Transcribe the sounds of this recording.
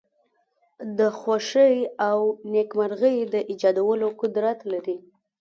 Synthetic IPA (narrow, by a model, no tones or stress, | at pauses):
d̪əxoʂəjawnekmaɾɣəjd̪əʔɪd͡ʒɑd̪awəlokʊd̪ɾat̪laɾi